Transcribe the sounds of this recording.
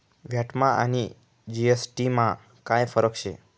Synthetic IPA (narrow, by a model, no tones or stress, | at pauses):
ʋjaʈmãʔa̰ni | d͡ʒiesʈimã | kãjfəɾəkʃe